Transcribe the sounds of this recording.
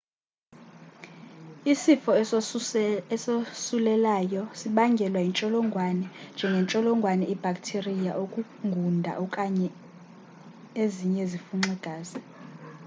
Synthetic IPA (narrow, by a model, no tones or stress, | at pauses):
isifɔ | ɛsosulɛlajɔsiɓaŋɡʱɛlwaint͡ʃʼɔlɔŋɡʱwanɛnd͡ʒʱɛŋɡʱɛnt͡ʃʼɔlɔŋɡʱwanɛib̥ʱakʼtʰerija̰ʔokʼu | ŋɡʱundʱa̰ʔɔkʼaɲɛ | eziɲɛzifuŋ͡ǀɛɡ̥ʱaːza